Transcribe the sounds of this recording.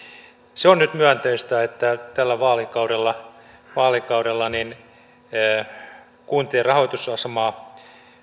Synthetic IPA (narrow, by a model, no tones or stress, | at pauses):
seonnyt̪myænt̪eist̪æet̪ːæt̪ælːæʋɑːlikɑuɾelːɑ | ʋɑːlikɑuɾelːɑninː | kuːnt̪ieːrɑhoit̪usɑsemɑː